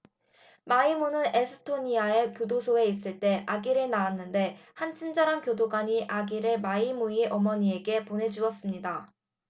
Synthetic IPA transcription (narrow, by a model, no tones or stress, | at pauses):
maimonɯne̞sʰɯ̥tʰoɲiae̞kjodosʰoe̞is͈ɯɭt͈e̞ʔaɡiɾenaanːɯnde̞hant͡ɕʰind͡ʑaɾankjodoɡaɲiʔaɡiɾemaimueʔʌmʌɲie̞ɡe̞pone̞d͡ʑuʌs͈ɯmɲida